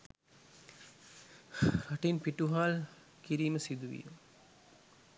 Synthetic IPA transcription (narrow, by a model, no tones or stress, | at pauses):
ɾɐʈinpiʈuɦaːl | kiɾiːməsid̪uʋḭjə̰